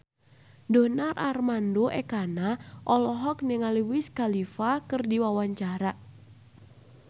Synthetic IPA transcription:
dɔnararmandoʔɛkanaʔɔlɔɦɔk̚nɛŋaliwɪskalifakɨrdiwawaɲt͡ʃaɾa

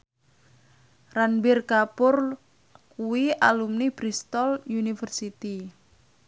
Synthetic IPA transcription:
ranbirkapʊr | kuwialumnib̥ɾist̪ɔljunifərsit̪i

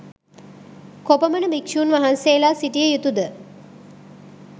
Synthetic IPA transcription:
kopəmənəbikʂuːnʋaɦanseːlaːsiʈijəjut̪ud̪ə

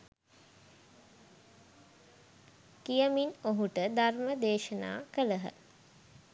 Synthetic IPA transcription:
kijəminoɦuʈəd̪arməd̪eːʃəna̰ːkələɦə̰

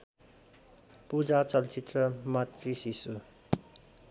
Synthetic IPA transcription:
pud͡zat͡sʌlt͡sit̪rʌmat̪risisu

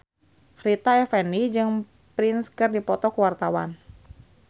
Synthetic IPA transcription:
hɾit̪aɛfɛnid͡ʒɨŋ | pɾinskɨrdipɔt̪ɔkuwart̪awa̰n

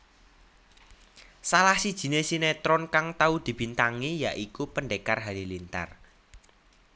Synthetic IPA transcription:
salahsid̥ʒ̥i̤nesinet̪ɾɔnkaŋt̪aud̪̥i̤b̥i̤nt̪aŋijaʔikupəɳɖekarɦalilint̪a̰r

